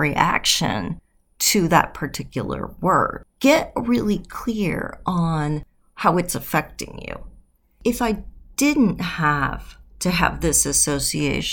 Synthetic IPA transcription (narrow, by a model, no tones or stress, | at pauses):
ɹiʔæ̰kʃɨ̰̃n | tʰɨðə̰t̚pʰə˞tʰɪkjl̩ˠə̰˞wɜ̰˞d̥̚ɡ̥ɛt̚ɹɪlˠikʰl̥ɪɹə̃n | haʊɨtsəfɛk̚tɪ̰̃ŋjʉ̰ | ɨfaɪd̥ɪdⁿn̩thəv̥tʰɨə̰vðɪsɨsoʊsieɪʃ